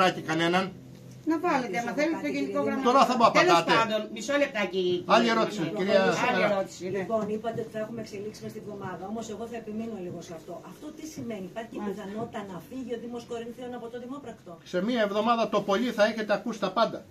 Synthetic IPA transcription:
ɾɐcikɐne̞nɐn | nɐvɐlet̪eɐmɐθelit̪koʝenikoɣɾɐmt̪oɾɐθɐmoɐp̪ɐetloɐt̪peɐnd̪o̞nmisolep̚t̪ɐciɐʎieɾo̞t̪isiiɾiɐseeɾɐɾot̪i̥siliepo̞nipɐt̪e̞ot̪i̥θɐexumeekseliksimɐst̪ievðo̞mɐðɐo̞mose̞ɣo̞θɐepiminuoliɣoseɐft̪o̞ʔɐft̪o̞t̪isime̞nipɐɾççepiθɐno̞t̪i̥t̪ɐnɐfiʝio̞ðimosko̞ɾinθionɐpot̪oðimopɾɐkt̪ose̞miɐevðo̞mɐðɐt̪o̞po̞liθɐeçe̞t̪e̞ɐkusi̥t̪ɐpɐnd̪ɐ

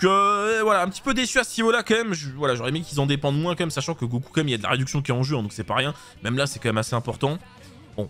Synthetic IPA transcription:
køvwalaɛ̃pət̪i̥pød̪esyasənivolakɑ̃mɛmʒvwalaʒɔʁɛmekʲilzɑ̃d̪epɑ̃d̪mwɛ̃kɑ̃mɛmsaʃɑ̃kəɡoku̥kɑ̃mɛmiljad̪əla̰ʁed̪yksjɔ̃k̬ʲiɛɑ̃ʒøɛ̃d̪ɔ̃ksɛpaʁjɛ̃ | mɛmlasɛkɑ̃mɛmaseɛ̃pɔʁt̪ɑ̃ | bɔ̰̃

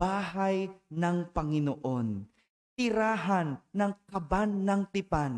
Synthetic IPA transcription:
baːɦajnɐŋpɐŋɪnoʔo̞n | t̪ɪɾaːɦanːɐŋkɐbanːɐŋt̪ɪpan

